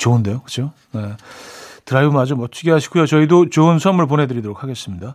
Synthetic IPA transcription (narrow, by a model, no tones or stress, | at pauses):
t͡ɕoɯndejokɯt͡ɕʰo | je̞ | tɯɾaibumad͡ʑomʌt͡ɕ͈iɡeɦaɕʰi̥ɡujot͡ɕʌidot͡ɕoɯnsʰʌmɯɭp̬onɦe̞dɯɾidoɾok̚ʰaɡe̞s͈ɯmɲida